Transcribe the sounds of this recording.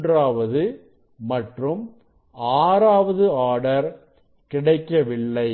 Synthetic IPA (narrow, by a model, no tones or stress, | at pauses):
draːʋɐðɯ | mɐʈrɯm | aːɾaːʋɐðɯaːɽɐɾ | kɪɽɐɪkːɐʋɪɭːɐɪ